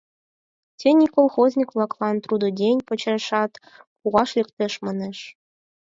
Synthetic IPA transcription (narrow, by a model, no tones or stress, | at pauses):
tʲenʲikolˠχozʲnʲikvlˠɑklˠɑnt̪rud̪ŏdʲenʲpɤ̆t͡ɕĕʃɑt̪ | puʁɑʃlʲɘ̆kt̪ʲɘ̆ʃmɤ̆nɘ̆ʃ